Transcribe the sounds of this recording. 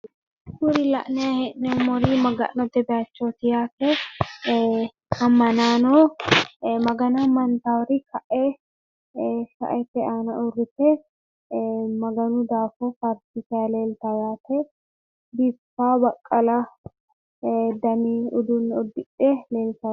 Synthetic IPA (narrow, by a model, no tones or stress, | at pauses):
kʊɾɪlɐʔnɛjahɛnːɛʊmɔɾimɐɡɐ̰ʔnɔt̪ɛb̪ɛat͡ʃːot̪ɪjaːt̪ɛ | ɐmːɐnaːnɔ | mɐɡɐnamɐnt̪awɔɾɪkɐʔe | sɐ̰ʔɛt̪ːɛaːnɐʔʊrːɪt̪ɛ | mɐɡɐnʊd̪aːfɔfɐɾsɪsɛɐleːlt̪ɐjaːt̪ɛ | bɪfːaːbɐkʼːɐlɐ | d̪ɐniʊd̪unːɔd̪ɪɗeleːlt̪ɐ